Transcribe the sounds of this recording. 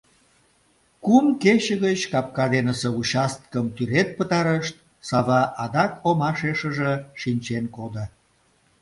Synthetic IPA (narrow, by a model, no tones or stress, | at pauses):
kumket͡ɕəɣət͡ɕkɑp̚kɑd̪enəseut͡ɕɑst̪ə̥kəmt̪yɾet̪̚pət̪ɑɾəʃt̪̚ | sɑβɑʔɑd̪ɑkomɑʃeʃəʒeʃinʲt͡ɕenkod̪ə